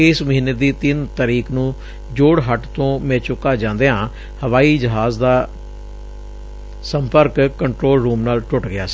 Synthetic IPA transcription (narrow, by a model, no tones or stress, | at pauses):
ɪːsməɦĩːned̪iːt̪ɪnt̪aːɾiːknũː | d͡ʒoːɽɦəʈt̪õːmɛ̃ːt͡ʃʊkːaːd͡ʒãːnd̪eːɦãː | həʋaːiːd͡ʒɪɦaːzd̪aː | səmpəɾkkəɳʈɾoːlɾuːmnaːlʈʊʈɡɪa̰ːsi̥ː